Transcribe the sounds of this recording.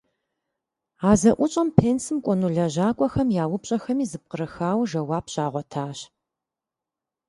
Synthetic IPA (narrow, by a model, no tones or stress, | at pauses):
aːzɐʔʷʊt͡ʃʼɐmpʰeːnsɨmkʷʼɔnuɮɐʑaːkʷʼɔxɐmjaːwʊpɕʼɐxɐmiːzɨp̚qəɾɐxaːwʒɐwaːpʰɕaːʁʷɔtʰaːɕ